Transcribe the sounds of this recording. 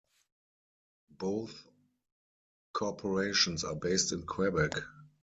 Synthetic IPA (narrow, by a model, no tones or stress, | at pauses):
boʊθ | kʰɔpʰɔɹeɪʃɔ̃nsa̰ːbeɪstɪ̃nkʰwɛbɛk